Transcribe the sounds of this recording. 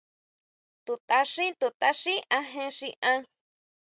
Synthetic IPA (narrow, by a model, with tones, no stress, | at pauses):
t̪u˧t̪a˧ʂĩ˦t̪u˧t̪a˧ʂĩ˦ʔã˧ɦẽ˧ʂĩ˧ʔã˦˧